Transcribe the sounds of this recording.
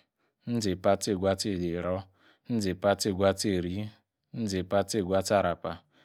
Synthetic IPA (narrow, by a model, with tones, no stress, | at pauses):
n̩˦d͡zɪ˨pa˦tɪ˦˨ɡʷa˦te˦˨dɪ˨ɾɔ˦ | n̩˦d͡zɪ˨pa˦tɪ˦˨ɡʷa˦te˨ɾi˦ | n̩˦d͡zɪ˨pa˦tɪ˦˨ɡʷa˦ta˦ɾa˨pa˨